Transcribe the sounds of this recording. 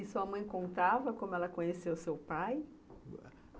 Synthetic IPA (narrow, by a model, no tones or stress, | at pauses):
isuɐmɐ̃j̃kõnt̪avɐkõmʊɛlɐkõɲesewsewpaj